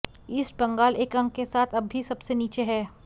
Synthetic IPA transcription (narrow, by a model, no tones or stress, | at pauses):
iːsʈ̚bɐ̃ŋɡaːleːkɐ̃ŋkesaːt̪ʰɐbːʱisɐbseniːt͡ʃeɦɛː